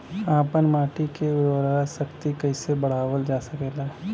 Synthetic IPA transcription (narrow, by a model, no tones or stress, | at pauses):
aːpənmaːʈikeʊd̪ɔːɾaɾasəkt̪ikəisebəɽ̤aːʋəld͡ʒaːsəkeːla